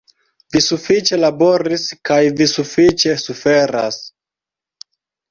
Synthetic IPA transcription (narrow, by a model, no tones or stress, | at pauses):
visufit͡ʃe̞labo̞ɾiskajvisufit͡ʃe̞sufe̞ɾa̰s